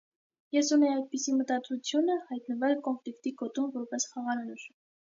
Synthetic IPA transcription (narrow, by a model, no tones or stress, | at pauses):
jɛsunɛɑjd̪̚pisimət̪ɑt͡sut͡sʰjunəhɑjt̪nəvɛlkɔnflikt̪ikɔt̪umvɔɾpɛsχɑʁɑɾɑnuɾ